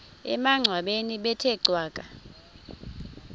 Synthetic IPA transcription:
ɛ̰maŋ͡ǀʱwaɓeniɓɛtʰɛǀʱwaːkʼa

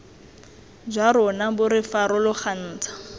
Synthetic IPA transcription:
d͡ʒwaɾɔnabʊɾɪfaɾɔlʊχʰan̩ːt͡sʰḁ

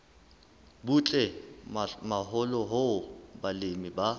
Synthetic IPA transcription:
but͡ɬʼɛ | maɦʊlɔɦʊbalemiba

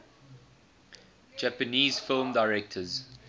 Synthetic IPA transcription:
d͡ʒæpəniːzfɪlmdaɪɹɛk̚tʰəz̥

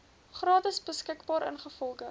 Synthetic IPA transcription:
χrɑːtəsbəskəkbɑːɾʔə̰nχəfɔlˠɡə

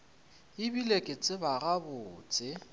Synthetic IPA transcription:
ɪbilekʼet͡sʼɪbaɣabʊːt͡sʼɪ

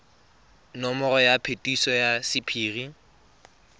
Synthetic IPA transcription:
nɔmɔrɔjapʰetʼisɔjasɪpʰiːri

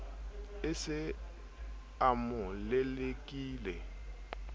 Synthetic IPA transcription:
ɪsɪ | amʊlɛlekʼiːlɛ

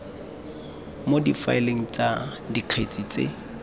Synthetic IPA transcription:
modifa̰ɪleŋ̩t͡sa | diq͡χʰet͡sʼit͡sʼḛ

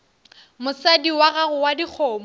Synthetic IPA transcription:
mʊsadiwaɣaɣʊwadik͡xʰɔːmɔ

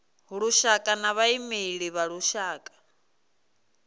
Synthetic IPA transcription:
ɦuɺuʃakʼanaβaimeɺiβaɺuʃaːkʼḁ

